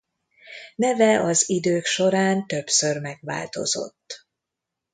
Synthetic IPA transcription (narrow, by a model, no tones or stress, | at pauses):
nɛvɛʔɒzid̪øːkʃo̞ɾaːnt̪ø̞psørmɛɡʋa̰ːlt̪o̞̰zo̞̰t̪ː